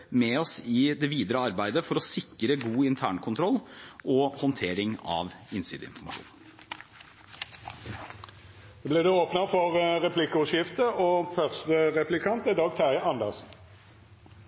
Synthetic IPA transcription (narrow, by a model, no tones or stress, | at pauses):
mɛɔsɪd̪ɛʋiːd̪əɾəɑɾbæɪd̪əfɔɾɔsɪkːɾəɡuːɪnt̪ʰæːɳkʰʊnt̪ʰɾɔlːʔɔhɔnt̪ʰeːɾɪŋɑ̰ʋɪnsy̰ːd̪əɪ̰nfɔɾmɑ̰ʂṵːn | blɛd̪ɛoːpnəfɔʁʁɛpʰlɪkːəʉʃɪft̪əʔoːfœʁst̪əʁɛplɪkʰɑnt̪ɛd̪ɑɡ̚t̪ʰæəɑnd̪ɛʁsn̩